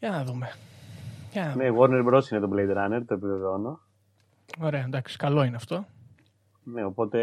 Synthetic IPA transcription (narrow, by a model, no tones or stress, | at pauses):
jɐnɐðume̞ | jɐnɐneɣoɾneɾbɾosinet̪oblejd̪ɾɐneɾt̪oepileðono | o̞ɾe̞ɐnd̪ɐksi̥kɐlo̞ineɐft̪o̞ | neopo̞t̪e̞